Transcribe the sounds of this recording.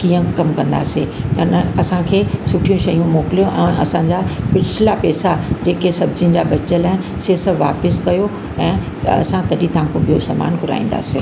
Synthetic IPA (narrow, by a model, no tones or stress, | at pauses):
kijə̃kɐmkɐ̃nd̪a̰ːseɐnɐsãkʰeːsʊʈʰijũʃɐjũmoːkɪlijõʔɛ̃ːʔɐ̰sãːɲd͡ʑapɪt͡ɕʰɪlapɛːsad͡ʑeːkesɐbd͡ʑɪnɪ̆d͡ʑabɐt͡ɕəlaːɦɪn | sesɐʋaːpɪskɐjo | ɛ̃ː | ɐ̰sãt̪ɐɗit̪ɐʋãkʰobʱijosɐːma̰ːnɡʱʊɾa̰ːĩːnd̪a̰ːseː